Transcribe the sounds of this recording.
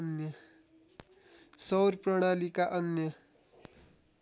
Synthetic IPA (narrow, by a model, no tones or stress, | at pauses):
njʌ | sʌwɾpɾʌɽ̃alikaʔʌnjʌ